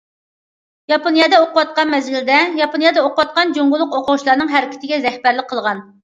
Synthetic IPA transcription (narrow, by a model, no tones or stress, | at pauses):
jɑponjɑd̪ɛoqʰʊwɑt̪̚qɑnmɛzɡʲɪld̪ɛjɑponjɑd̪ɛoqʰʊwɑt̪̚qɑnd͡ʒoŋʁʊlˠːʊqoqʰʊʁʊʃlˠɑɾnɨŋɦɛɾɪkʲʰɪ̥t̪ʰɪɡʲɛzɛhbæɾlɪk̚ʲqʰːəlˠʁɑn